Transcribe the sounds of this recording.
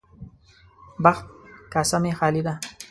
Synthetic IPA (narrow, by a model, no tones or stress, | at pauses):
baxt̪̚kasamexaːlid̪a